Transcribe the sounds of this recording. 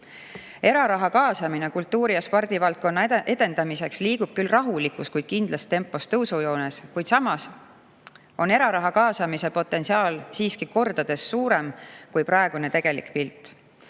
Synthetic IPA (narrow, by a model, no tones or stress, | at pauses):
e̞ɾɑɾɑɦɑkɑːsɑmine̞kult̪ːuːɾijɑspord̪̥ivɑlt̪̚ko̞nːɑʔe̞d̪e̞nd̪ɑmise̞ksliːɡ̥ub̥kylrɑɦulikˑuskujd̪̥̚kind̪̥lɑst̪ːe̞mpːˑo̞st̪ɤwsujo̞ːneskujd̪̥sɑmɑs | o̞ne̞ɾɑɾɑɦɑkɑːsɑmise̞po̞t̪ːˑe̞nsiɑːlsiːskiko̞rd̪̥ɑd̪̥e̞sːuːɾe̞mkujpɾɑeɡ̥une̞t̪e̞ɡ̥e̞lḭkpilt̪ːˑ